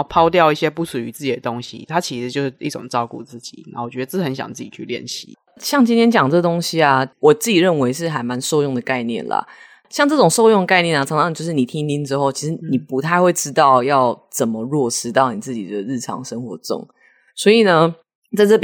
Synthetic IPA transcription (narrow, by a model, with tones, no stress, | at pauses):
pʰɑ˥ʊt̪jɑ˥˧ʊi˥˩ɕjɛ˦˥pu˥˩ʂu˨˩y˧˦t͡sɹ̩˥˩t͡ɕi˨˩d̪ə˩t̪o˦˥ŋɕḭ˧˦t̪ʰa˦˥t͡ɕʰi˧˥ʂɻ̩˧t͡ɕjo˥˧ʊʂ̩˥˧˩ʔi˥˩ʈ͡ʂʊ̰˨˩ŋʈ͡ʂɑ˥˧ʊku˥˧t͡sɹ̩˥˩t͡ɕi˨˩na˨˧˥wɔ˨˩t͡ɕɥɛ˧˥d̪ə˧t͡sə˧˦nɕjɑ̰˨˩ŋt͡s̩˥˩t͡ɕi˨˩t͡ɕʰy̰˥˧ljɛ̰˥˨˩nɕḭ˨˥˦ | ɕjɑ˥˩ŋt͡ɕi˥nt̪ʰjɛ˥nt͡ɕjɑ˨˩ŋʈ͡ʂə˥˩t̪o˥ŋɕi˦a˨wɔ˨˩t͡s̩˥˩t͡ɕi˨˩ɻə˥˩nwe˧˥ɪʂ̬ɻ̩˥˩xa˨˩ɪma˧˦nʂo˥˧ʊjʊ˥˩ŋd̪ə˩ka˥˧ɪnjɛ̰˥˨˩nlɐ̰˩ | ɕjɑ˥˧ŋʈ͡ʂɤ˥˩ʈ͡ʂʊ˨˩ŋʂo˥˧ʊjʊ˥˩ŋ˩ka˥˧ɪnjɛ˥˩na˨˩ɑ˧˥ŋʂɑ˥˧ŋt͡ɕo˥˧ʊʂ̬ɻ̩˥˩ni˨˩t̪ʰi˥ŋt̪i˧˥nʈ͡ʂɻ̩˥xo˥˩ʊt͡ɕʰi˧˥ʂɻ̩˧˥ni˨˩pu˧˦t̪ʰa˥˧ɪxwe˥˧ɪʈ͡ʂɻ̩˥t̪ɑ˥˧ʊjɑ˥˨˩ʊt͡sə˨˩mə˩ɻwɔ˥˩ʂɻ̩˥t̪ɑ˥˩ʊni˨˩t͡sɹ̩˥˩t͡ɕi˨˩d̪ə˩ɻ̩˥˩ʈ͡ʂʰɑ̰˧˥ŋʂə˥ŋxwɔ̰˧˥ʈ͡ʂʊ̰˥˩ŋ | swɔ˧˥i˨˩nə˦ | t͡sa˥˧ɪʈ͡ʂə˥˩p